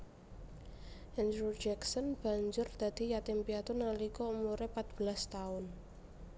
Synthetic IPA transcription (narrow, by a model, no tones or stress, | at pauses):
ʔɛnd̪ɾud͡ʒɛksɔnb̥a̤ɲd͡ʒʊrd̪̥a̤d̪̥i̤jat̪ɪmpiat̪onalikɔumuɾepat̪̚b̥əlast̪aʊn